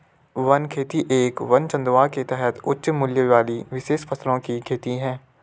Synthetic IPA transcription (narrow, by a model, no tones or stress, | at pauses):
ʋɐnkʰeːt̪iʔeːkʋɐnt͡ʃə̃nd̪ʋaːket̪ɛɦɛt̪ʰʊtːʃmʊljəʋaːliʋɪʃeːʃpʰɐslõkikʰeːt̪iɦɛ̃ː